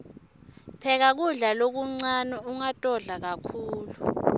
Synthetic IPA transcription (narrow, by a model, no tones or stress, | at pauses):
pʰɛk̬ak̬uɮalok̬uŋ͡ǀanɔuŋatʼɔɮak̬akʰuːlu